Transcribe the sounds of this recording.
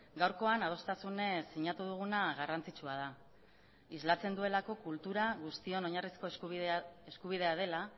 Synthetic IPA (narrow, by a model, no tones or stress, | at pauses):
ɡawɾko̞anað̞o̞st̪asune̞siɲat̪uðuɣ̞unaɣarant͡sit͡ʃuað̞a | izlat͡se̞nd̪ue̞lako̞kult̪uɾaɣust̪io̞no̞ɲarisko̞ | eskuβ̞ið̞e̞aðe̞la